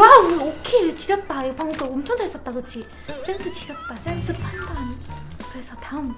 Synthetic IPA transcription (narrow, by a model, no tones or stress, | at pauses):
waokʰeɯɭt͡ɕid͡ʑʌt̚t͈aiɯpʰaŋɡot͈oʌmt͡ɕʰʌŋd͡ʑʌais͈ʌt̚t͈akɯt͡ɕʰi | sʰe̞nsʰɯt͡ɕid͡ʑʌt̚t͈asʰensʰɯpʰandʰankɯɾe̞sʰʌtaɯm